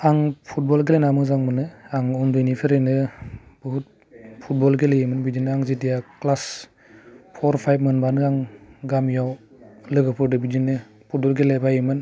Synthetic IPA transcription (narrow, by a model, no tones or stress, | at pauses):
aŋpʰut̚bɔlɡelenamɯzaŋmɯnɯaŋɔndujnipʰeɾɯnɯb̥ɯɦut̚ | pʰut̚bɔlɡelejimɯnbidinɯaŋzitijaklas | pʰɔɾpʰajb̚mɯnbanɯaŋɡamjaw | lɯɡɯpʰɯɾdɯbid͡ʒinɯ | pʰut̚bɔlɡelebajimɯn